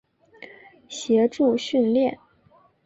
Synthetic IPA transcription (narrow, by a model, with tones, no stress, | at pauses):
ɕjɛ˧˥ʈ͡ʂu˥˧ɕy˥˧nljɛ˥˩n